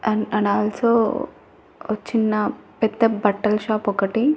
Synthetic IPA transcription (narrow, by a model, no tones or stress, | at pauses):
ɐɳɐ̃ɳɖaːlsoː | ʋɐt͡ʃːinːɐpɛd̪ːɐbɐʈːɐlʃaːpɔkɐʈi